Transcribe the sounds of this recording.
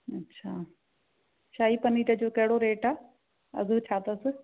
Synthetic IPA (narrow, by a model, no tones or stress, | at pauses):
ɐtːɕʰaː | ʃaːipɐniːʈəd͡ʑoːkɐɦɪɽoɾeːʈaː | ɐ̰zət͡ɕʰaːt̪əsɪ̆